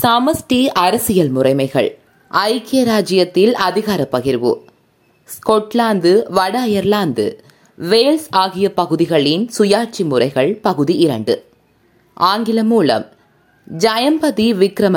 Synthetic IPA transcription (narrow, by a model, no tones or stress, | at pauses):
sɐmɐsʈiɐɾɐsɪjɐlmʊrɐɪmɐɪɣɐ̰ɭ | ʔɐɪkɪjɐɾaːd͡ʒɪjɐt̪ːɪlɐðɪɣaːɾɐpːɐɣɪɾʋɯ̰ | skɔʈlaːnd̪ɯʋɐɽɐjɐɾlaːnd̪ɯ̰ | ʋeːlsaːɣɪjɐpɐɣɯðɪɣɐɭɪnsʊjaːʈ̚t͡ʃimʊrɐɪɣɐɭpɐɣɯðiɪɾɐɳɖɯ | ʔaːŋɡɪlɐmuːlɐ̰m | d͡ʒɐjɐmpɐðiʋɪkɾɐmɐ